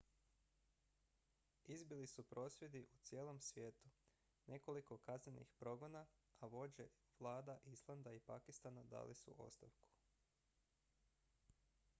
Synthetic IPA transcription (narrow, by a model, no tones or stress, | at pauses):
izbilisupɾo̞ːsje̞d̪iʔut̪sjeːlˠo̞msʋje̞ːt̪u | nʔe̞ko̞liko̞kazɲenḭxpɾo̞ɡonaaʋo̞d͡ʑe | ʋlˠaːd̪aʔislˠand̪aipakist̪anad̪a̰ːlʔisṵʔo̞̰st̪aʋku̥